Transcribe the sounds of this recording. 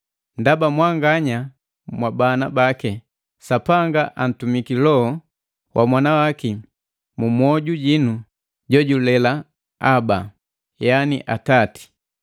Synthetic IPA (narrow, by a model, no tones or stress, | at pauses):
ndabamwaŋɡaɲa | mwabanabakɛ | sapaŋɡaʔan̩tumikilɔɔ | wʔamwanawaki | mumwɔɟuɟinu | ɟɔɟulɛla | aba | janḭʔatati̥